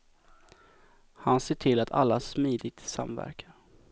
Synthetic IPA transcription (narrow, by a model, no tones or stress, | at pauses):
hanseːʈʰɪlat̪ʰa̰lːasmiːd̪ɪɡ̚t̪sa̰mvæ̰ɾkʰa